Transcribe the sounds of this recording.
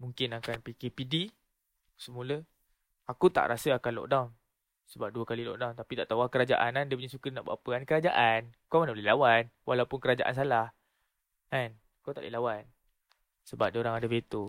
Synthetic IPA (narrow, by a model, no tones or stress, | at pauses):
muŋkɪnakanpikepidi | səmulə | akut̪a̰ʔɾasəakanlɔ̰ʔdan | səbap̚duəkalilɔ̰ʔdant̪apit̪aʔt̪awakəɾad͡ʒa̰ʔa̰nandiəp̬uɲasukənaʔba̰pəankəɾad͡ʒaʔankamanalelawanwʔalawpʊnkəɾad͡ʒaʔa̰ns̬alah | an | kawt̪aʔlʔḛlawan | səbap̚dioɾaŋadavet̪o